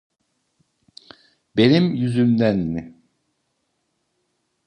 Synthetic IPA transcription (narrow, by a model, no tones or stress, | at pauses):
be̞nimjyzymd̪ænːɪ